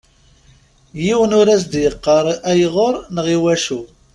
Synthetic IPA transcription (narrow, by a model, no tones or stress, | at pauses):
jiwənʊɾæs̬d̪jəqːəɾˤæjʁoɾˤnəʁiwæʃu